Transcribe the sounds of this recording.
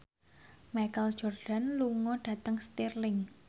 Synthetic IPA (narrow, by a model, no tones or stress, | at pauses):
majkəld̥ʒ̥ɔ̤rɖ̥a̤nluŋɔɖ̥ä̤t̪əŋst̪irlɪŋ